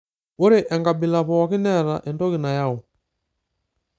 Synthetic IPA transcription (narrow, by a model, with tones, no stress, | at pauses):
o˦ɾi˦ʔɛ˨ŋɡa˨bi˨la˨pɔwa˨ki˦nɛ˦ɾa˨ʔɛ˨ndɔ˦ɣi˨na˨ja˦ɔ˨